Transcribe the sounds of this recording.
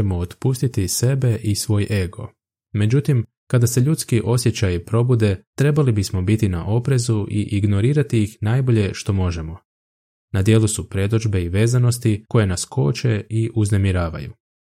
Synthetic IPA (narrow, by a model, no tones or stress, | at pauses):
mo̞ot̪pust̪it̪ise̞be̞ʔisʋo̞ːjʔe̞ɡo̞̰ | me̞d͡ʑut̪im | kad̪ase̞ʎut̪skiʔo̞sje̞t͡ɕajpɾo̞bud̪e̞t̪ɾe̞balibismo̞bit̪ina̰ʔo̞pɾe̞zuʔiʔiɡno̞ɾiːɾat̪ijixnaːjbo̞ʎe̞ʃt̪o̞mo̞ʒe̞mo̞ | nad̪je̞ːlusupɾe̞d̪o̞d͡ʒbe̞iʋe̞ːzano̞s̬t̪iko̞je̞naskʰo̞̰ːt͡ʃe̞iʔuzne̞miɾaːʋa̰jṵ